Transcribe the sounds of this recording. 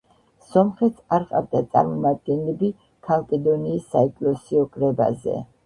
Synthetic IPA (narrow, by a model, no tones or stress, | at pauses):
sɔmχɛt̪saɾqʼa̰vd̪at̪sʼa̰ɾmɔmad̪̚ɡɛnlɛbi | kʰalˠkʼɛd̪ɔniːsːaɛkʼlɔsiɔkʼɾɛba̰zɛ̰